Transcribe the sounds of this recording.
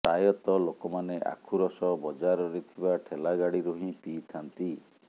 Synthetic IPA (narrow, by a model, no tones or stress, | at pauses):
t̪ajɔt̪ɔlokɔmaneʔa̰kʰuɾɔsɔbɔd͡ʒaɾɔɾit̪ʰibaʈʰelaɡaɽiɾuɦĩpit̪ʰant̪i